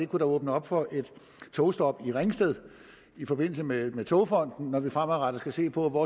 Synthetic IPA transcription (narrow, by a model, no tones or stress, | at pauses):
e̝kʰuɾɑɔ̽ːb̥nəɒ̽b̥fɒ̽ʔe̝d̥ | t͡sʰoʊsd̥ɒ̽b̥iʁeŋsd̥eð̞̰ˠ | ifɒ̽b̥e̝n̰l̩səmemet͡sʰoʊfɒ̽n̰d̥n̩ːɒʋifʁamæðˠʁɑd̥ɐsɡ̥æse̝̰ːpʰɒ̽ʋɒː